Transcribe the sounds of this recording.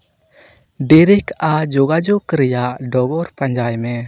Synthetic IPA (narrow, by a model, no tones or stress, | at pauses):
ɖiɾikad͡ʒɔɡad͡ʒukɾɛjaʔɖɔɡɔɾpaɲd͡ʒajmɛ